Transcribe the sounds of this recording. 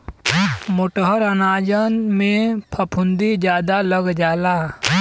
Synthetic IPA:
mʊʈɦəɾənaːd͡ʒənmẽpʰɐpʰʊnd̪id͡ʒjaːd̪aləɡd͡ʒaːlaː

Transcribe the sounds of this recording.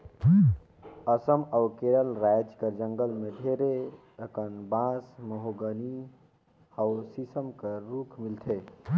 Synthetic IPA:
əsəmaʊkeɾəlɾajd͡ʒkəɾd͡ʒəŋɡəlmed̪ʱeɾe | əkənbãsməɦoɡəni | awsisəmkəɾukʰmilt̪ʰe

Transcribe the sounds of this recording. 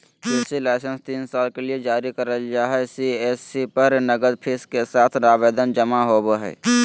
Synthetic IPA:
pʰesilɛːɪsə̃nst̪iːnsaːlkelied͡ʒaːɾikəɾəld͡ʒaːɦɛsiesipəɾnəɡəd̪pʰeskesaːt̪ʰɾaːbeːd̪ənd͡ʒəmaɦobɦɛ̰ː

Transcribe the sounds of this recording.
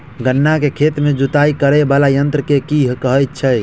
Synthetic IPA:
ɡənːakekʰet̪med͡ʒut̪aikəɾɛbalajənt̪ɾəkekiɦkəɦəjt̪̚t͡ʃʰəj

